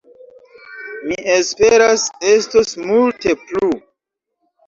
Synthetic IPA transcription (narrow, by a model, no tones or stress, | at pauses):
miʔespeɾase̞stosmulte̞plu